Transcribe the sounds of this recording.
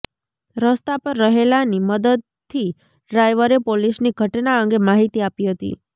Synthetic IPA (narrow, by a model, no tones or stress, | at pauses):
ɾəst̪apəɾːəɦelaniməd̪əd̪̚ | t̪ʰːi | ɖɾajʋəɾepolisniɡʱəʈnaəŋɡemaɦit̪iapiɦət̪ḭ